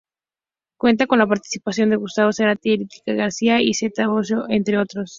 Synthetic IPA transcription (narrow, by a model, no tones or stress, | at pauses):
kwe̞nt̪ako̞nlapaɾt̪i̥si̥pasjo̞nd̪e̞ɣust̪aβo̞seɾat̪eeɾit̪i̥kaɣaɾsiaiset̪aβos̬oʔent̪ɾeo̞t̪ɾo̞s